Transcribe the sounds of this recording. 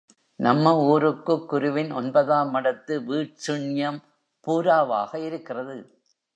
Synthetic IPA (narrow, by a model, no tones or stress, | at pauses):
nɐmːɐuːɾɯkːɯkːʊɾʊʋɪnɔnbɐðaːmɐɽɐt̪ːɯʋiːʈt͡ʃʊɳɪjɐm | puːɾaːʋa̰ːɣɐɪɾɯkːɪrɐðɯ